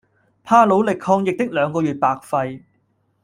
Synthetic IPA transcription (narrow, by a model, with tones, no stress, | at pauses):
pʰaː˥lo˨˧˥wlɪ˨kʰɔː˧ŋjɪ˨k̚t̪ɪ˥k̚lœː˨˧ŋkɔː˧jyː˨t̚paː˨k̚fɐ˧j